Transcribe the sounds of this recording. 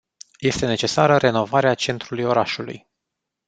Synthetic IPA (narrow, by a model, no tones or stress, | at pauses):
je̞st̪e̞ne̞t͡ʃe̞saɾəɾe̞no̞vaɾeat͡ʃe̞nt̪ɾulujo̞ɾaʃulṵj